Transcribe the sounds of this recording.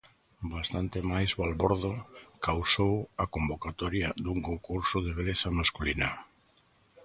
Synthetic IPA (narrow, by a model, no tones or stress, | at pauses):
bast̪ant̪emajzalβɔɾðokawsowakombokat̪ɔɾjad̪uŋkoŋkuɾsʊðeβ̞eleθamaskulina̰